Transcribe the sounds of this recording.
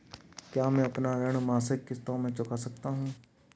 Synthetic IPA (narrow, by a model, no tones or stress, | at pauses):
kjaːmɛ̃ɐpnaɾəɽ̃maːsɪkːɪst̪õmẽt͡ʃʊkasɐk̚t̪aɦũː